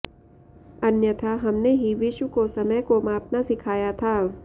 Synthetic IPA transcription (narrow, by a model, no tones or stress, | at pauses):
ɐnjət̪ʰaɦɐmneɦiʋɪʃwəkosɐməjkomaːp̚nasɪkʰaːjat̪ʰaː